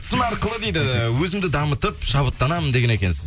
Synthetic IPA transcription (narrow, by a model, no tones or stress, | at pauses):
sənɑɾqəlˠəd̪ejd̪ɪwɵzɪmd̪ɪd̪ɑmət̪əpʃɑβət̪ːɑnɑmənd̪e̞ɡʲene̞kʲe̞nsɪz